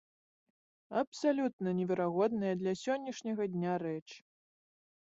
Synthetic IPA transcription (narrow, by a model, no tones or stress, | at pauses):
ɐpsalʲut̪̚nɐnʲɛvʲɛɾaɣɔd̪nɨjɐd̪lʲɐsʲɔnʲːɐʂnʲɐɣɐd̪ʲnʲaɾɛt͡ʂ